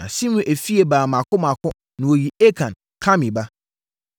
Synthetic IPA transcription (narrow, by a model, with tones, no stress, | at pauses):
ã˨sĩ˦mũ˨ʔe˨fi˦e˨baː˨mã˨kʰʊ˦mã˨kʰʊ˦ | nɪ̃˨wo˨ji˨e˦kʰã˨n | kʰã˦mĩ˨ba˦